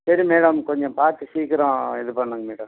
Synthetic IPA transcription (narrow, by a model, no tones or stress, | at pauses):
sɐɾimeːɽɐmkɔɲd͡ʒɔ̃paːɾt̪ːɯsiːkɪɾõːɪðɯpɐɳːɐŋɡɐmeːɽɐm